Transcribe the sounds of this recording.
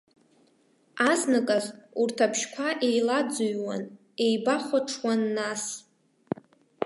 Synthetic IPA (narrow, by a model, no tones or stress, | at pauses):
aznakʼazurtʰapʰʃkʷʰaʔe̞jlad͡zujwa̰n | e̞jbaχʷaʈ͡ʂʰwanːas